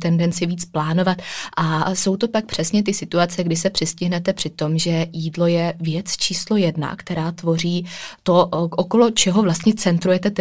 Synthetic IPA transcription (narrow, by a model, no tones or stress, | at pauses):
t̪ɛndɛnt͡sɪviːt͡splaːno̞vat̪ʔaso̞wt̪o̞pak̚pr̝̥ɛsɲɛt̪̬ɪsɪt̪uat͡sɛɡdɪsɛpr̥ɪscɪɦnɛt̪ɛpr̥ɪt̪o̞mʒɛjiːdlo̞jɛvjɛt͡st͡ʃʰiːslo̞jɛdna̰kt̪ɛɾaːt̪vo̞riːt̪o̞ʔoko̞lo̞t͡ʃɛɦo̞vlast̪ɲɛt͡sɛnt̪ɾujɛt̪ɛt̪